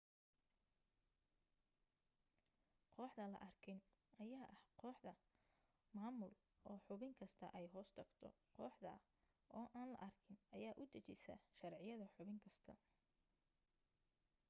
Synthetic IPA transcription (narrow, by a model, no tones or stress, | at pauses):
qʰɔːħd̪ɐlɐ̰ʔɐrkʰɪnʔɐjaːʔɐhqɔːħd̪ɐ | maːmʊl | ɔːħʊβɪŋkʰɐst̪ʰɐʔɛjɦɔːst̪ʰɐɡt̪ʰɔ̰ | qɔːħd̪ɐ̰ | ʔɔːʔaːnlɐ̰ʔɐrkʰɪnɐjaːʔʊd̪ɐt͡ʃɪsɐ̰ʃɐrʕɪjɐðɐħʊβɪŋkʰɐst̪ʰɐ̰